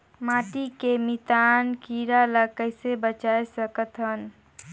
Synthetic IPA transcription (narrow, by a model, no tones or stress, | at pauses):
maʈikemit̪ankiɾalakəɪsebət͡ʃaesəkət̪ɦən